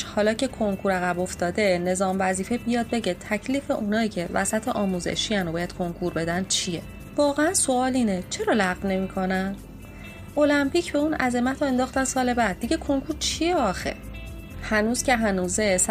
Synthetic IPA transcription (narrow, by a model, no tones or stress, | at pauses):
hɒːlɒːcʰe̞kʰo̞ŋkʰuɾæɣæbo̞ft̪ɒːd̪e̞ne̞zɒːmvæziːfe̞bijɒːd̪̚be̞ɟe̞t̪ʰæcʰliːfe̞ʔunɒːjiːcʰe̞væsæt̪ʰeʔɒːmuːze̞̰ʃiːjænobɒːjæd̪̥̚kʰo̞ŋkʰuɾbe̞d̪æn̚t͡ʃʰijḛ | vɒːɣeænso̞ɒːliːnet͡ʃʰe̞ɾɒːlæɣvne̞miːkʰo̞næn | ʔo̞læmpicʰbe̞unæze̞mæt̪ʰɒe̞nd̪ɒːχxt̪ænsɒːle̞bæd̪̚ːiɟe̞kʰo̞ŋkʰuɾt͡ʃʰijeɒxḛ | hænuːz̥cʰe̞ɦænuːzes